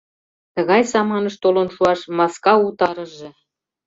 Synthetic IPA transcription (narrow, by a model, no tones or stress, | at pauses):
t̪ɤ̆ɣɑjsɑmɑnɤ̆ʃt̪olŏnʃuɑʃmɑskɑut̪ɑɾɤ̆ʒĕ